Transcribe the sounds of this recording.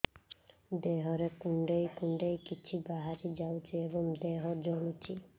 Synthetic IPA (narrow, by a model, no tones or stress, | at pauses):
d̪eɦɔɾekuɳɖejkuɳɖejkit͡ʃʰibaɦaɾid͡ʒawt͡ʃʰiebɔŋd̪eɦɔd͡ʒɔlut͡ʃʰi